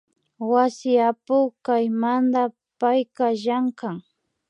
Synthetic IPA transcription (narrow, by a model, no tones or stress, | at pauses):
wasɪapʊkajmand̪a | pajkaʒaŋkaŋ